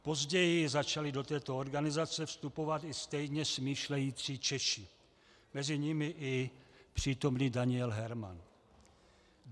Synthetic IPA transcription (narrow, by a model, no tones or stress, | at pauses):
po̞zɟɛjɪzat͡ʃalɪdo̞t̪ɛːt̪o̞oɾɡanɪzat͡sɛfst̪upo̞vat̪ɪst̪ɛjɲɛsmiːʃlɛjiːt͡siːt͡ʃɛʃɪ | mɛzɪɲɪmɪʔɪpr̝̥iːt̪o̞mniːdaɲɪɛlɦɛɾma̰n